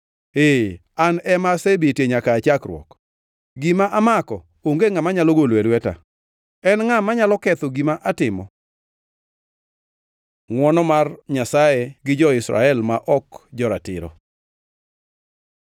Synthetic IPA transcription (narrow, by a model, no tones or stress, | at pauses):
e | anɛmasebetjeɲakaːt͡ʃakrwɔ̰k | ɡimaʔamakɔ | oŋɡeŋamaɲaloɡolwɛlwɛta̰ | ɛnŋamaɲalɔkɛt̪oɡimaʔatɪmɔ̰ | ŋwɔnɔmarɲasajeɡɪd͡ʒɔɪsɾa̰ɛlmaʔɔkd͡ʒɔɾa̰tɪ̰ɾɔ̰